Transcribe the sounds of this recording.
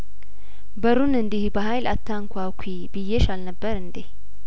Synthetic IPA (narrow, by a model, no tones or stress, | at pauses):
bɐɾunɨnd̪ɪhbɐɦajlɐt̪ːaŋkʷʊakʰʷi | bɪjːeʃalnɐbːəɾɨnd̪ɪh